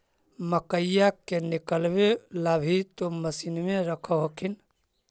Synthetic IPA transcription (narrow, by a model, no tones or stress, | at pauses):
məkəjjakenikəlbelabʱit̪oməsinmeɾəkʰəɦokʰin